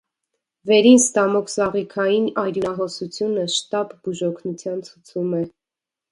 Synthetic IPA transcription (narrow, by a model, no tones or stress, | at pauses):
vɛɾinst̪ɑmɔkʰsɑʁikʰɑjinɑjɾuɦɔsut͡sʰjunəʃt̪ɑbbuʒɔkʰnut͡sʰjɑnt͡sʰut͡sʰumɛ